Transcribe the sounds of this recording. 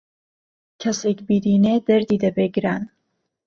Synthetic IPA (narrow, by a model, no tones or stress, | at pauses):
kʰɐsekbiːɾiːned̪ɐɾd̪iːd̪ɐbeɡɾaːn